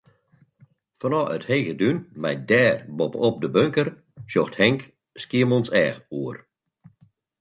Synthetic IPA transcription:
fɔnɔʔə̰thejɣədynmɛjdɛːrbɔpəɔp̚dəbøŋkər | ʃoxthɛŋk | skiəmɔnsɛːxuər

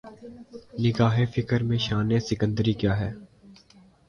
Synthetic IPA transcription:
nɪɡaːɦefɪkəɾmẽʃaːnesɪkə̃nd̪əɾikjaːɦɛː

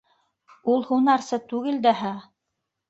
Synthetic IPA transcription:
ulˠhunɑɾsɤt̪ʉɡɘld̪æɦæ

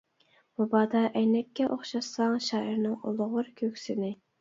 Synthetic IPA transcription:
mubɑːd̪ɑʔɛjnɛkʲːɛʔoχʃɑsɑŋʃɑːɪɾnɪŋolˠʁʊɾkʲʰøkʲsɪnɪ

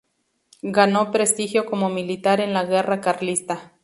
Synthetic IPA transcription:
ɡanopɾest̪ixjokomomilit̪aɾenlaɣerakaɾlist̪a

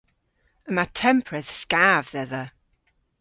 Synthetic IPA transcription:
əmatʰɛmpʰɹɛθskaːvðɛðə

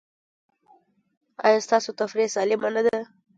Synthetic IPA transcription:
ɑ̰jɑst̪ɑsot̪afɾesɑlɪmanad̪a

